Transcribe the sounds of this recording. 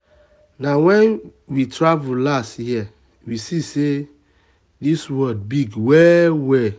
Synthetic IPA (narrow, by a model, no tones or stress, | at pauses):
nawɛ̃nwitɹavullasthiɛ | wisise | diswɔd̚biɡwɛwɛ